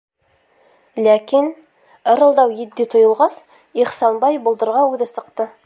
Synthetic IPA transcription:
lækin | ɤ̆ɾɤ̆lˠd̪ɑwjɘ̆d̪ːit̪ʰŏjɤ̆lˠʁɑs | iχsɑnbɑjbulˠd̪ɤ̆ɾʁɑʉðɘsɤ̆qt̪ɤ

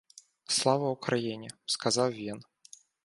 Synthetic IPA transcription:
slˠavɐwkɾajinʲɛskazawvʲin

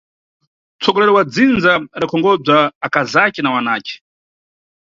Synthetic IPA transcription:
t͡sʰɔɡɔlɛɾɔwad͡zind͡zaɾakʰɔŋɡɔb͡ʐaːkazakɛnawanaːkɛ̥

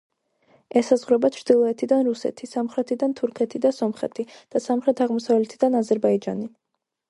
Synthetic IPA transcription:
ɛsazʁɾɛbat͡ʃʰɾd̪̥ilˠɔɛt̪ʰid̪anɾusɛ̰t̪ʰisamχɾɛt̪ʰid̪ant̪ʰuɾkʰɛt̪ʰid̪asɔmχɛ̰t̪ʰid̪̥asamχɾɛt̪ʰaʁmɔsavlɛt̪ʰid̪anazɛɾbaid͡ʒa̰ni

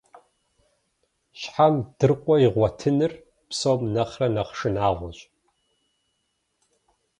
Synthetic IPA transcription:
ɕħamd̥ɨrqʷʼɔiʁʷɔtʰɨnɨr | psoːmnɐχrɐnɐqʂɨnaːʁʷɔɕʼ

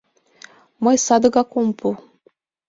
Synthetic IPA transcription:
mɤjsɑd̪ɤɡɑkompʰu

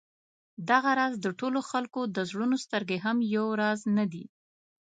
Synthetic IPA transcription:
d̪aɣaɾɑzd̪əʈoloxalkod̪əzɽunost̪əɾɡeɦamjawɾɑznad̪ḭ

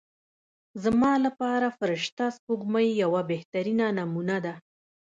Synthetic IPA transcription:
zamɑlapɑɾafəɾɪʃt̪aspuɡmajːawabeht̪aɾinanamunad̪a

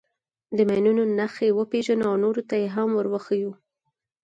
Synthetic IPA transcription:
d̪əmajnunonaxewəpeʒanoawnoɾot̪ajeɦamwəɾwəxəju

